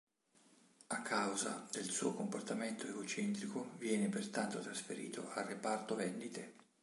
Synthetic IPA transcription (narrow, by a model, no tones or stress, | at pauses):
akʰːawza̰d̪elsṵːokomport̪ament̪ʰoeɡot͡ʃɛnt̪ɾikovjɛːnepert̪ant̪ot̪ɾasfeɾḭːt̪ʰo̰ʔarːepart̪ovɛnd̪it̪e